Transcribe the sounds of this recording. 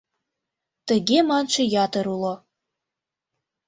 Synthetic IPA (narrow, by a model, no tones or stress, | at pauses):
t̪əɣemɑnʃĕjɑt̪əɾulo